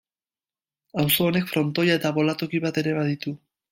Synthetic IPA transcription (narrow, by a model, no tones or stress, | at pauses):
awso̞ːne̞kfɾo̞nt̪o̞jae̞t̪aβo̞lat̪o̞kiβat̪e̞ɾe̞βaðit̪u